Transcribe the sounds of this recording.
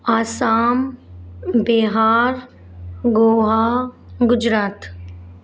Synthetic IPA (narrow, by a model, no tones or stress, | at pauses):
aːsaːm | beɦaːɾ | ɡoːɦaɡʊd͡ʒɾaːt̪